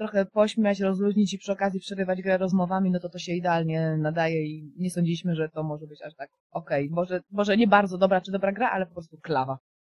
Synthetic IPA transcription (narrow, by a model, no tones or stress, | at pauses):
t̪ɾɔxɛpɔɕmʲjat͡ɕɾɔzɾuʑɲit͡ɕipʂɘɔkazʲjipʂɛɾɘvad͡ʑɡɾɛɾɔzmɔvamʲinɔt̪ɔt̪ɔɕɛid̪ɛalɲɛnad̪ajɛiɲɛsɔɲd͡ʑilʲiɕmɘʐɛt̪ɔmɔʐɛbɘt͡ɕaʂt̪ak̚ | ɔkɛjmɔʐɛmɔʐɛɲɛbaɾd̪zɔd̪ɔbɾat͡ʂɘd̪ɔbɾaɡɾaʔalɛpɔpɾɔst̪uklava